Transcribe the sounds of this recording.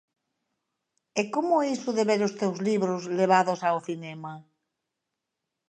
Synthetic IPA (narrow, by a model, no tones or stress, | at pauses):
ekomʊisʊðeβeɾʊst̪ewzliβɾʊzleβ̞aðʊsaoθinɛma